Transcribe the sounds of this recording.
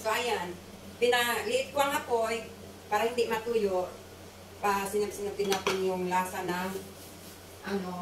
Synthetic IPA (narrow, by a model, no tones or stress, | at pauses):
soajan | pɪnalɪʔɪt̪̚kʊaŋapoj | paːɾahɪnd̪ɪʔmat̪uːjoʔ | pasɪnap̚sɪnap̚t̪ɪnaːt̪ɪnjʊŋlasanaŋ | ʔano